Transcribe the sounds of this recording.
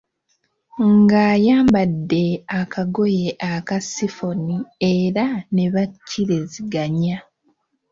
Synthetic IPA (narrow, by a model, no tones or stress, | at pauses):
ŋɡaːjaːmbadːe̞akaɡo̞je̞ʔakasifo̞nieɾane̞βacʰːiɾeziɡaɲa